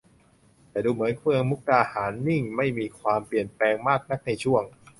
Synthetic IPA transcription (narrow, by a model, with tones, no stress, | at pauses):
t̪ɛː˨˩duː˧mɯ˩˦ənkʰɯ˧ə˧ŋmu˦˥k̚ɾaː˧haː˩˦nːi˥˩ŋma˥˩jmiː˧kʰwaː˧mpli˨˩ənplɛː˧ŋmaː˥˩k̚na˦˥k̚na˧jt͡ɕʰu˥˩əŋ